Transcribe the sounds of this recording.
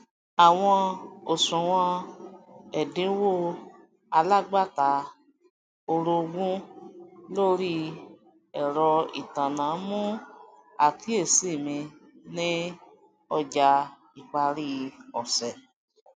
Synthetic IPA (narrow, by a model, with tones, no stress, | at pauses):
a˨w̃ɔ̃˧o˨sũ˨w̃ɔ̃˧ | ɛ˨dĩ˨˦wo˦˨ | a˧la˦ɡ͡ba˦˨ta˨˦ | o˧ɾo˧ɡũ˦ | lo˦ɾi˦ | ɛ˨ɾɔ˧ḭ˨tã˨nã˨˦mũ˦ | a˦˨ki˨˦e˦˨si˦˨mĩ˧nĩ˦ | ɔ˧d͡ʒa˧ | i˨k͡pa˧ɾi˦ɔ˨sɛ˨